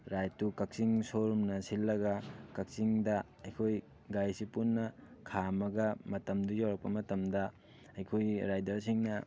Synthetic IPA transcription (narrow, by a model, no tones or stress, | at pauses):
ɾajtukɐk̚siŋsoɾumnɐsilːɐɡɐkɐk̚siŋdɐ | ɐjkʰoj | ɡajsipunːɐkʰamɐɡɐmɐtɐmdujawɾɐk̚pɐmɐtɐmdɐ | ɐjkʰojɾajdɐɾs̬iŋnɐ